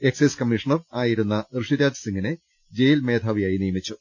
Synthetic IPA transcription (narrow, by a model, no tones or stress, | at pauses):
e̞kseskɐmːiʂɐɳɐraːjiɾunːɐrɨʂiɾaːd̪isiŋɡine | d͡ʑe̞jilme̞ːd̪ʱaːʋijaːjinijɐmit͡ɕːu